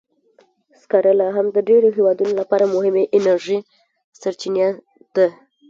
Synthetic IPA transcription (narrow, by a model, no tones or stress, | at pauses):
skaɾəlaɦamd̪əɖeɾoɦewɑd̪unolapɑɾamʊɦɪmeʔɪnaɾʒi | saɾt͡ʃinja | d̪̥a